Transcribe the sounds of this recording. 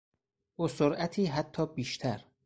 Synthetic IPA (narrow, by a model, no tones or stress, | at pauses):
ʔosoɾʔæt̪ʰiːɦæt̪ʰːɒːbiːʃt̪ʰæɾ